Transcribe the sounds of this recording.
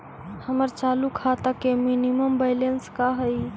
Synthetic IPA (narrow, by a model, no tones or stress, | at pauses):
həməɾt͡ʃalukʰat̪akeminiməmbaɪlenskaɦəj